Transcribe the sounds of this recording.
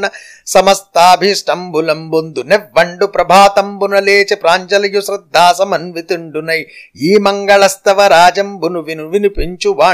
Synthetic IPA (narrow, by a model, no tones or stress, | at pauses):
nɐ | sɐmɐst̪aːbʱisʈɐmbulɐmbond̪uneʋːɐɳɖupɾɐbʱaːt̪ɐmbunɐleːt͡ʃepɾaːɲt͡ʃɐlɐjusɾɐd̪ʱːaːsɐmɐnʋit̪iɳɖunɐjiːmɐŋɡɐɭɐst̪ɐʋɐɾaːd͡ʒɐmbunuʋinuʋinupiɲt͡ʃuʋaː